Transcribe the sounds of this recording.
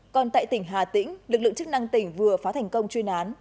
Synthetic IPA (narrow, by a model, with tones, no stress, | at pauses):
kɔ˨˩nt̪a̰ː˧˨jt̪i˧˩ŋ̟ɦaː˨˩t̪ḭ̈˧˥ŋ̟lɨ˨˩k̚lɨ̰˧˨ŋt͡ɕɨ˦˥k̚na˧ŋt̪ï˧˩ŋ̟vɨ˨˩əfaː˨˦t̪ʰɛ˨˩jŋ̟kə˧wŋ͡mt͡ɕwi˧ənʔaː˨˦n